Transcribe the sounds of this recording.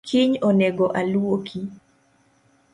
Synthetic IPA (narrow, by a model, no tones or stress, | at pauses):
kʰiɲonɛɡoʔalwokʰi